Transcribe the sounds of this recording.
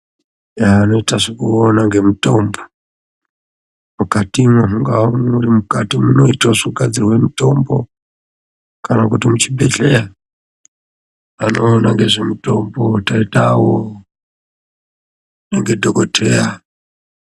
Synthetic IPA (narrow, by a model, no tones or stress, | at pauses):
jaːno̞itaʐekuonaŋɡe̞muto̞mbo | mukatimweɦuŋɡawomurimukatimuno̞itosuɡad͡zirwe̞muto̞mbo̞̰ | kanakutimut͡ʃibʱeɮea | ano̞ːnaŋɡe̞ʐemuto̞mbo̞taitawo | neŋɡedʱokotʰea